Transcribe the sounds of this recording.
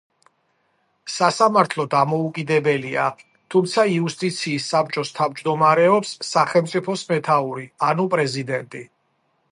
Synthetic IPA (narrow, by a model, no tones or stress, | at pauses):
sasamaɾt̪ʰlˠɔd̪amɔukʼid̪ɛbɛlia̰ | t̪ʰumt̪sʰaiust̪ʼit̪sʰiːsːap̚t͡ʃʼɔst̪ʰavd͡ʒd̪ɔmaɾɛɔpsːaχɛlˠmt̪sʼipʰɔsmɛt̪ʰauɾianupʼɾɛzid̪ɛnt̪ʼi